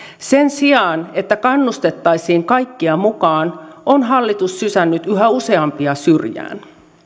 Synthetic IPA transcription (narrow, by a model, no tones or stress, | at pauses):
se̞nsiɑːne̞t̪ːækɑnːust̪e̞t̪ːɑjsiːŋkɑjkːiɑmukɑːnonɦɑlːit̪usːysænːyt̪yɦæuse̞ɑmpiɑsyrjæ̰ːn